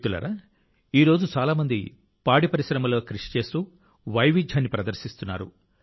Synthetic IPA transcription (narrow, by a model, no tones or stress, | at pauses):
t̪ulɐ̰ɾɐ | iːɾo̞ːd͡ʒut͡ʃaːlaːmɐnd̪i | paːɽipɐɾisɾɐmɐlo̞ːkɾiʂi̥t͡ʃe̞ːst̪u | ʋɐjʋid͡ʒ̪ʱjaːnːipɾɐd̪ɐɾsist̪unːa̰ːɾu